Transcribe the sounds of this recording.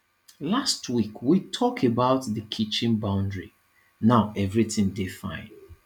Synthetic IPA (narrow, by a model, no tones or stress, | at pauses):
lastʰwikʰwitʰɔkʰebaʊtðəkʰit͡ʃɪ̃nbãʊ̃ndɹi | naʊʔɛvɹitɪ̃ŋdefã̰ɪ̃n